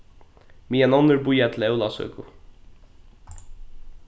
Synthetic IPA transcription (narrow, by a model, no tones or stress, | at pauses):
miːɛnɔnʏɹbʊjat̪ʰɪlɛwlasœ̰ːkʊ